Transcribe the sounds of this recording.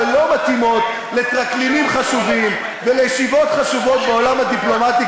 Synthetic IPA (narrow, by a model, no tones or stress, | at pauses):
lo̞mat̪imo̞t̪ | le̞t̪ʁaklimimχaʃuvim | velejʃivo̞t̪χaʃuvo̞t̪̚beo̞lamhad̪iplo̞mat̪i